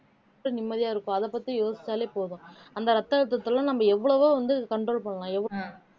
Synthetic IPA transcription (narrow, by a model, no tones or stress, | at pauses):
ɐnɪmːɐðɪjaːɪɾɯkːʊ̃ɐðɐpːɐt̪ːijoːsɪ̥t͡ʃːaːleːpoːðʊ̃ɐnd̪ɐɾɐt̪ːɐːɻt̪̬ːɐt̪ːɯlɐ̃nɐmːɐɛʋːɐɭɐʋoːʋɐnd̪ɯkɐɳɖɾoːlpɐɳːɐlãːɛʋː